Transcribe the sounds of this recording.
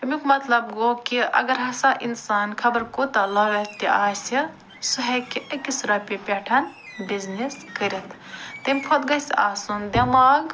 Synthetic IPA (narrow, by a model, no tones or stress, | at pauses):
ɐmʲikʰmɐt̪lɐbɡokiʔɐ̰ɡɐɾɦɐsaʔinsaːnkʰɐbɐɾkot̪alɐlɐt̪ːiʔaːsi | suɦɐkiʔekːisɾapʲepʲeʈʰɐn | bizniskɐɾɐt̪ʰ | t̪ɐmʲkʰot̪ɡɐsaːsund̪ɐmaːɡ